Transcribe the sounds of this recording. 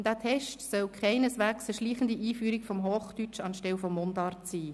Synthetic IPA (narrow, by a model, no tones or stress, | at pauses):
d̥æːtʰɛʃtsœlkʰχaɪnəsʋæːksəʃliːχən̩diʔiːfyːɾikfɔmɦoːχd̥yt͡ʃɑnʃtɛlfɔmːondɑrtsiː